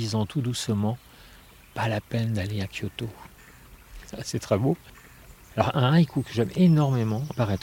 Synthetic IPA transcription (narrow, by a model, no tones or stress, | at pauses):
izɑ̃t̪ʰud̪usəmɑ̃ | palapɛnd̪aleakʰjot̪o | sɛt̪χɛbo | alɔʁɛ̃ajkʰukəʒɛmenɔʁmemɑ̃paʁɛt̪